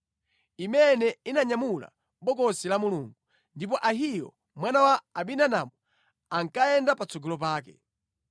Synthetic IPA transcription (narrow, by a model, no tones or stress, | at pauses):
imɛnɛinaɲamula̰ | ɓɔkɔsilamuluːŋɡu | ndip̬ɔʔaɦijɔ | mwanawaːɓinanamɔ | aŋkajɛndapat͡sɔɡɔlɔp̬aːk̬ɛ̰